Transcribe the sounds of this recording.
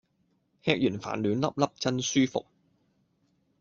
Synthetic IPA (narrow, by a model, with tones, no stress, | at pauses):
hɛː˧˥k̚jyː˨˩nfa̰ː˨˩nlyː˨˥nlɐ˥p̚lɐ˥p̚t͡sɐ˥nsyː˥fʊ̰˨k̚